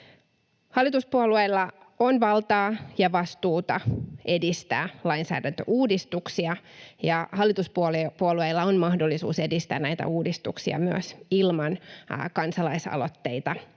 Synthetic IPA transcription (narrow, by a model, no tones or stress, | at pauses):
hɑlːˑit̪uspuoluejlːɑ | onʋɑlt̪ɑːjɑʋɑst̪uːt̪ɑe̞dist̪æ̰ːlɑinsæ̰ːdænt̪ø̰ʔuːdist̪uksiɑjɑhɑlːˑit̪uspuolpuolueilːɑonmɑhdo̞lːisṵːse̞dist̪æ̰ːnæjt̪æ̰uːdist̪uksiɑ̰myø̰silmɑnkɑnsɑlɑisɑ̰lot̪ːe̞it̪ɑ